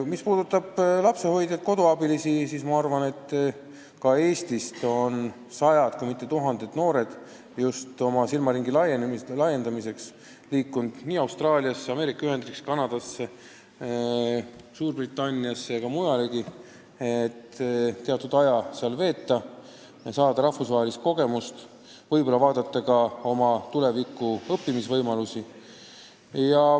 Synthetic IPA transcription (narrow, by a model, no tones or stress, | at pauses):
mispuːd̪ut̪ːˑɑb̥lɑpse̞ho̞jd̪̥jɑt̪̚ko̞d̪̥oɑbilisisiːsmɑɑrvɑne̞t̪ː | kɑe̞ːst̪ist̪o̞n | sɑjɑd̪̥kujmit̪ːˑe̞t̪uɦɑnd̪̥e̞d̪̥no̞ːɾe̞d̪̥ | just̪o̞mɑsilmɑɾiŋɡ̥ilɑjenlɑje̞nd̪ɑmise̞ks | liːkːˑund̪̥niːɑwst̪rɑːliɑsːeɑme̞ːɾikːˑɑyɦe̞nd̪rikskɑnɑd̪̥ɑsːe | suːrbrit̪ːˑɑnʲːiɑsːekɑmujɑliɡ̥i | et̪t̪ːe̞ɑt̪ːˑud̪̥ɑjɑseɑlve̞ːt̪ːˑɑ | sɑːd̪̥ɑɾɑhfusvɑːɦelist̪̚ko̞ɡ̥e̞must̪ | vɤjbo̞lɑvɑːd̪̥ɑt̪ːˑɑɡɑo̞mɑt̪ule̞vikːˑuɤpːimisvɤjmɑlusi | jɑ